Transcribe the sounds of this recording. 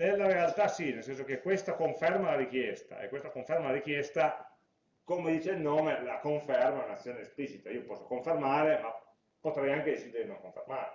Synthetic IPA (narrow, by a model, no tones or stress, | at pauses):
nelːaɾealt̪asinelsɛns̬okekːwest̪akoɱfermalaɾik̟jɛst̪a̰ḛkːwest̪akoɱfermalaɾikjɛst̪a | komed̪iːt͡ʃeilnoːmelakoɱfɛrmaunat̪sːjoːnesplit͡ʃit̪aiːopɔsːokoɱfermaːɾema | pot̪ɾɛjaŋked̪et͡ʃid̪eɾenoŋkoɱfḛrmaːɾe